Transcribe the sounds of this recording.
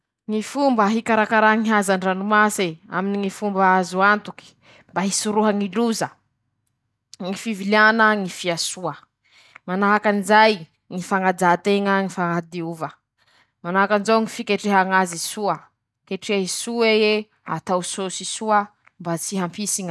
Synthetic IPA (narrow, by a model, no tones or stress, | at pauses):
ŋifumbəɦikaɾakaɾaŋiɦazaɳɖ͡ʐanumasea̰miniŋifumbaazuant̪uki̥ | mbaɦisuɾuɦəŋiluzə | ŋifivilianəŋifiasuə | manaɦakanizaj | ŋifaŋad͡zat̪eŋəŋifaŋad̪iuvə | manaakanzawŋifikeʈ͡ʂeɦaŋazisuə | keʈ͡ʂeaɦisuee | a̰t̪awsosisuə | mbat͡siɦampisiŋə